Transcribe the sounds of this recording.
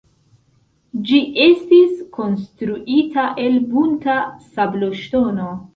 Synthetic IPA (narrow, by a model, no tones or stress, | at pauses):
d͡ʒiʔe̞stisko̞nstɾuʔitaʔe̞lbuntasabloʃto̞no̞